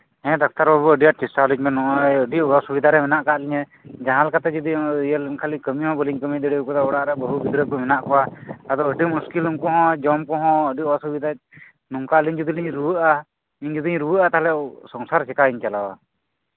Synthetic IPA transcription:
ɛ̃d̪ak̚t̪aɾbɔbɔəɖijat͡ʃisalik̚mɛnɔʔɔjəɖiʔɔwasubid̪ʱaɾɛmɛnaʔkaʔliɲɛ | d͡ʒaɦãlkat̪ad͡ʒɔd̪ijalnkʰalikəmihɔ̃bəliɲkəmid̪əɽikɔt̪aɔɽaʔɾɛbɔɦubid̪ɾəɔmɛnaʔkɔwaad̪ɔəɖimuskilumkɔɦɔ̃d͡ʒɔmkɔɦɔ̃əɖiʔɔwasubid̪ʱa | nuŋkaliɲd͡ʒud̪iliɲɾuwəʔa | iɲd͡ʒud̪iɲɾuwəʔat̪aɦlɛsɔŋsaɾsɛkaiɲt͡ʃalawa

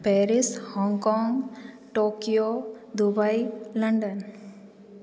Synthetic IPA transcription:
pɛɾishɔ̃ŋkɔ̃ŋ | ʈokio | d̪ubajlə̃ɳɖən

